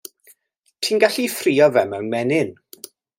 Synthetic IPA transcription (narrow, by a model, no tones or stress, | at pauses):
tʰiːnɡaɬifriːɔvɛmɛwnmɛnɪn